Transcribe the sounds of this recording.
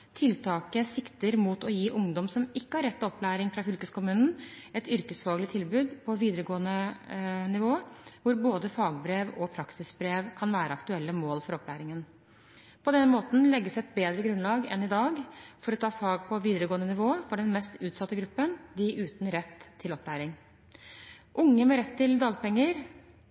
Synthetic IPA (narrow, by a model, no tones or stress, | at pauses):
t̪ʰɪlt̪ʰɑːkəsɪkt̪əɾmuːt̪ɔjiːʔʊŋd̪ɔmsɔmɪkːəhɑɾːɛt̪ʰːɔplæːɾɪŋfɾɑfʏlkəskʊmʉːnən̩ɛt̪ʏɾkəsfɑːɡlɪt̪ʰɪlbʉːd̪pʰɔʋiːd̪əɾəɡoːənənɪʋoːʋʊɾboːd̪əfɑːɡ̚bɾeːʋɔpʰɾɑksɪsbɾeːʋkʰɑnʋæːɾəɑkt̪ʉɛlːəmoːlfɔɾɔplæːɾɪŋən | pʰɔd̪ɛnːəmoːt̪n̩lɛɡːəsɛt̪̚beːd̪ɾəɡɾʉnlɑːɡɛ̰nɪd̪ɑːɡfɔɾɔt̪ʰɑːfɑːɡ̚pʰɔʋiːd̪əɾəɡoːənənɪʋoːəfɔɖɛnmɛst̪ʉːt̪sɑt̪ːəɡɾʉpːənd̪ɪʔʉːt̪nɾɛt̪ʰːɪlɔplæːɾɪŋ | ʔʊŋːəmɛɾɛt̪ʰːɪld̪ɑːɡpɛŋːəɾ